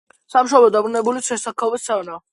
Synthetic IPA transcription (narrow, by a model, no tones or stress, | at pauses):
samʃ̬ɔbɛd̪abɾunɛbulit̪sʰɛsakʰavɛst̪ʰɛvna